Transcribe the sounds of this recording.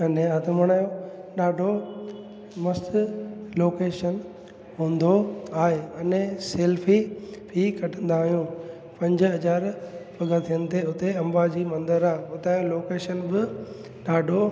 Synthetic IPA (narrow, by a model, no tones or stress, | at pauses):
ɐnẽɦɐt̪əmɐɽ̃aːjoɗaːɖʱo | mɐst̪loːkeːʃən | ɦũːn̆d̪oaːɦeɐnẽseːlfʰipʰikʰɐʈʰə̃nd̪aːɦijũː | pɐ̃ɲd͡ʑ̆ɦɐzaːɾpɐɡə̃t̪ʰijənɪ̆t̪ʰeʊt̪eɐ̃mbaːd͡ʑiːmɐ̃nd̪əɾaːʊt̪aːjoloːkeːʃənbɪ | ɗaːɖʱo